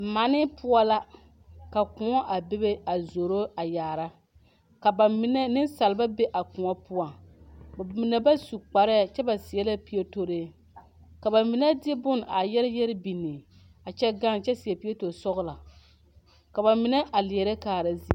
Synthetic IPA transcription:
ma˨˦nɪ˦pʊ˦a˦la˦ | ka˨kʊ˨ŋɔ˦ʔa˨be˦be˦a˨zo˨ɾo˦a˨jaː˨ɾa˦ | ka˨ba˨mɪ˦nɛ˦nɪ˦nsa˨lba˦be˦ʔa˨kʊ˨ŋɔ˦pʊ˦a˨bmɪ˨nɛ˨ba˦su˨k͡pa˨ɾɛ˦˨t͡ʃɛ˦ba˨sɪ˨ɛ˦la˦pi˨ɛ˦to˦ɾeː˦ | ka˨ba˨mɪ˨nɛ˦dbʊ˦n˨a˨jɛ˦lɪ˦jɛ˦ɾɪ˦bi˨nːɪ˨ | a˨t͡ʃɛ˦ɡa˦n˨t͡ʃɛ˦si˨ɛ˨pi˦e˦to˨sɔ˦ɣʊ˦la˨ | ka˨ba˨mɪ˨nɛ˦ʔa˨lɪ˨ɛ˨ɾe˦kaː˨ɾa˦zi˦˨

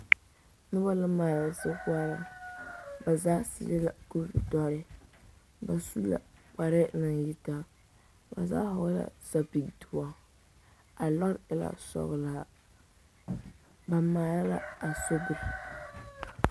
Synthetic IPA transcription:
nɨ˦ba˦lɨ˦maː˨ɾa˨˦sɨ˦kwa˦la˨ | ba˨zaː˦sḭ˦lɪ˦la˨ku˦vi˨dɔ˦ɾɪ˦ | ba˨su˦la̰˨k͡pa˨ɾɪ˦nɨ˨ŋji˦ta˦ | ba̰˨za̰ː˦hʊ˨˦la̰˨sa˨pi˨ɡtu˨wa˨ | a˨lɔ˦ɪ˦la̰˨sɔ̰˨ɣla˨ | ba˨maː˨ɾa˦la̰˦a˨so˦bu˨ɾɪ˨

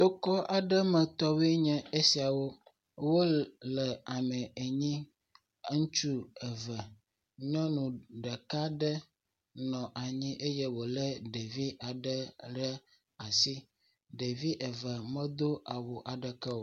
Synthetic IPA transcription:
t̪o˦kɔ˦ʔa˨ɖə˦mɛ̃˨t̪ɔ˦we˦ɲɛ̃˦e˦si˨a˨wo˦ | wo˦lɛ˨a˨mə̃˨e˨ɲĩ˦ | ŋũ˦t͡ʃu˦ə˨və˨ | ɲɔ̃˦nũ˨ɖə˨ka˦ɖə˦ | nɔ̃˨ʔa˨ɲĩ˦ʔe˦jɛ˦wo˨lɛ˦ɖe˨vi˦ʔa˨ɖə˦ɖə˦ | a˨si˦ | ɖe˨vi˦ʔə˨və˨mə̃˦d̪o˦ʔa˨wo˨ʔa˨ɖə˨kɛ˦wo˨

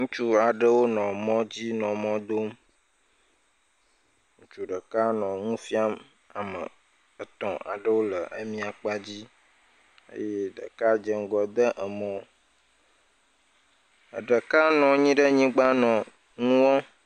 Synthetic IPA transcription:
ŋũ˦t͡ʃu˦a˨ɖə˦wo˦nɔ̃˨mɔ̃˦d͡ʑi˦nɔ̃˨mɔ̃˦d̪o˦m | ŋũ˦t͡ʃu˦ɖə˨ka˦nɔ̃˨ŋũ˦fi˦a˦m | a˨mə̰˨ | ə˨t̪ɔ̰̃˨a̰˨ɖə˦wo˦lə˨ʔə˦mĩ˦a˨k͡pa˦d͡ʑi˦ | ə̰˦je˦ɖə̰˨ka˦d͡ʒə˦ŋ˦ɡɔ˨d̪ə˦ʔə˨mɔ̃˨ | ə˨ɖə˨ka˦nɔ̃˨ɲĩ˦ɖə˦ɲĩ˦ɡ͡ba˦nɔ̃˨ | ŋũ˦wɔ̃˦

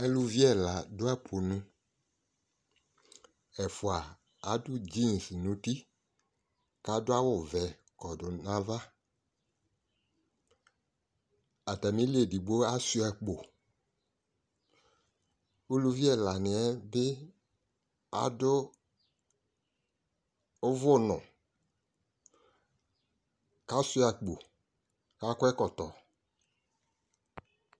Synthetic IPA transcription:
ɛ˦lu˦vi˦ɛ˦˨la˨dʊ˦a˦pʰo˨nʊ̃˨ | ɛ˨fʊ˨a˨ | a˨˦dʊ˦d͡ʒi˦˨n˨snũ˨˦ti˦ | ka˨˦dʊ˦a˦wʊ˦˨vɛ˨ | kɔ˨dʊ˨nã˦va˦ | a˨ta˨mĩ˦li˦e˨di˨ɡ͡bo˦a˦sʊ˦ɛ˨k͡po˨ | o˦lu˦vi˦ɛ˨la˨nɪ˨ɛ˦bɪ˦ | a̰˨dʊ˦ | vʊ˦˨nʊ̰̃˨ | ka˦su˦a˨k͡po˨ | ka˦kʷɛ˦kɔ˨tɔ˨

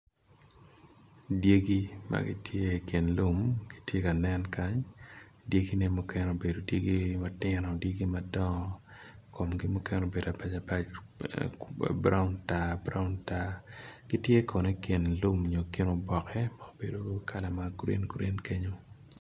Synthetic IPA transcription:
dje˦ɡi˦ma̰˨ɡḭ˦tʰje˦ke˨nlu˦mɡ̥i̥˦tje˦ka˨nɛ˦nka˦ɲ | dje˦ɡi˦ne˦mo˦kɛ˦no˨be˨do˨dje˦ɡi˦ma˦tɪ˦nɔ˨dje˦ɡi˦madɔ˦ŋ˦ko˨mɡi˦mo˦kɛ˦no˨be˨da˨pa˨t͡ʃa˨pa˦t͡ʃ | bɾa̰˦ʊ˦nta˦bɾa˦ʊ˦nta˦ɡ̥i˦tje˦kʰɔ˨ne˦ke˨nlu˦m˨ɲo˨ke˦no˨bɔ˨kʰɛ˦maobe˨do˦kʰa˨la˨ma˨ɡɾḛ˦nɡɾḛ˦nke˦ɲo˦

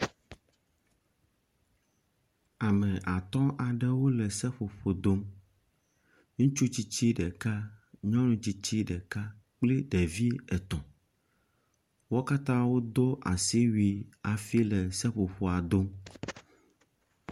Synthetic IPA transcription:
a˨mɛ̃˨ʔa˨t̪ɔ̃˦ʔa˨ɖɛ˦wo˦lɛ˨sɛ˦ɸo˨ɸo˨d̪o˦m | ŋũ˦t͡ʃu˦t͡ɕi˦t͡ɕi˦ɖɛ˨ka˦ɲɔ̃˦nũ˨t͡ɕi˦t͡ɕi˦ɖɛ˨ka˦k͡pli˦ɖɛ˨vi˦ɛ˨t̪ɔ̃˨ | wo˦ka˦t̪ã˦wo˦d̪o˦ʔa˨si˦wi˨a˨fi˦lɛ˨sɛ˦ɸo˨ɸo˨a˨d̪o˦m

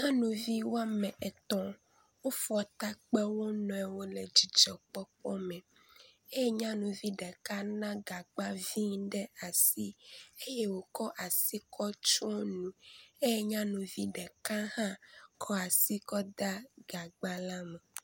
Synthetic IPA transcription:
ɲã˦nũ˨vi˦wo˦a˦mɛ̃˨ʔɛ˨t̪ɔ̃˨ | wo˦fɔ˨t̪a˦k͡pɛ˦wo˦nɔ̃˨ɛ˨wo˦lɛ˨d͡ʒi˨d͡ʒɔ˨k͡pɔ˦k͡pɔ˦mɛ̃˨ | e˦je˦ɲã˦nũ˨vi˦ɖɛ˨ka˦nã˦ɡa˨ɡ͡ba˦vi˦ŋ˦ɖɛ˦a˨si˦e˦je˦wo˨kɔ˦ʔa˨si˦kʰɔ˦t͡ʃɔ˦o˦nũ˨e˦je˦ɲã˦nũ˨vi˦ɖɛ˨kã˦hã˦kʰɔ˦a˨si˦kɔ˦d̪a˦ɡ̥a˨ɡ͡ba˦la˦mɛ˨

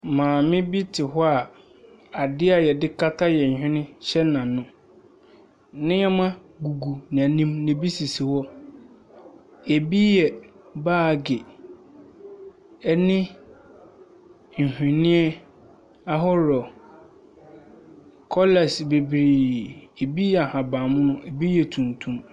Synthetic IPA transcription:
mãː˨mɪ̃˦bi˦tʰɪ˨ɦɔ˦a˨ | a˨dɪ˦a˨jɛ˨dɪ˦kʰa˦tʰa˦jɛ˨ɲ̩˨hᶣɪ̃˦nɪ̃˦ɕɛ˦nã˨nʊ̃˦ | nɪ̃˦ɛ˦mã˦ | ɡu˨ɡu˨nɪ̃˨æ˨nĩ˦mnɪ̃˨bi˦si˨si˨hɔ˦ | e˨bi˦jɛ˨ | baː˦˨ɡe˨ | ɛ˦nɪ̃˦ | ɲ̩˨hᶣɪ̃˨nɪ̃˦ɛ˦ | a˦ɦɔ˦ɾɔ˨ | kʰɔ˦lɛ˨sbe˨bɾiː˨e˨bi˦jɛ˨a˨hã˨bã˨mʊ̃˦nʊ̃˦ʔe˨bi˦jɛ˨tʰũ˨ntʰũ˦m

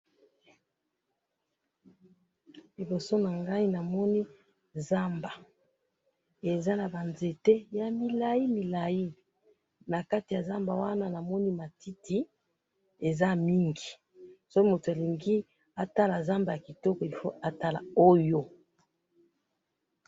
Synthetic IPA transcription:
li˨bo˨so˦na˨ŋɡa˦i˦na˨mɔ˦ni˦ | za˦mba˨ | e˨za˦na˨ba˨nze˨te˦ja˨mi˨la˦ji˦mi˨la˨ji˦ | na˨ka˦ti˨ja˨za˦mba˨wa˦na˦na˨mɔ˦ni˦ma˨ti˦ti˨ | e˨za˦mi˦ŋɡi˨ | so˦ki˦mo˨to˨a˨li˨ŋɡi˦ | a˦ta˦la˨za˦mba˨ja˨ki˨tɔ˦kɔ˨i˨fo˦a˦ta˦la̰˨o˦jo˦

